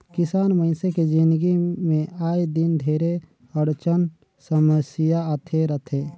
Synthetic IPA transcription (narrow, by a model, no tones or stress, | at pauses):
kɪsaːnməɪnseked͡ʒɪ̃nd̪ɡimẽaːed̪ɪnd̪ʱeːɾe | əɽt͡ʃən | səməsjaət̪ʰeɾət̪ʰe